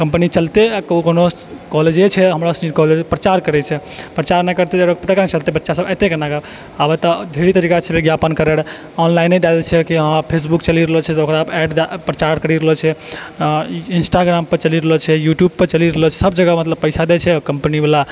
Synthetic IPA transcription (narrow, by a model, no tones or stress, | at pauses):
kəmpənit͡ʃəlt̪ekkono | kɔɦled͡ʒet͡ʃʰɛɦəmɾasniɾkɔɦled͡ʒpɾət͡ʃaɾkəɾɛt͡ʃʰɛpɾət͡ʃaɾnɛkəɾt̪ed͡ʒəɾakpət̪akanet͡ʃəlt̪ebətːʃasəbət̪ekenaɡab | abət̪ɔd̪ʱeɽit̪əɾikat͡ʃʰɛbeɡjapənkəɾeɽ | ɔnlainːɛd̪ad̪et͡ʃʰɛkiɦãpʰes̬bukt͡ʃəliɾəɦət͡ʃʰɛt̪okɾabɛɖd̪pɾət͡ʃaɾkəɾiɾəɦɔt͡ʃʰɛ | insʈaɡɾampəɾt͡ʃəliɾəɦət͡ʃʰɛjuʈjub̚pəɾt͡ʃəliɾəɦət͡ʃʰɛ̥səbd͡ʒəɡamət̪ləbpəɪsad̪ɛt͡ʃʰɛkəmpənibla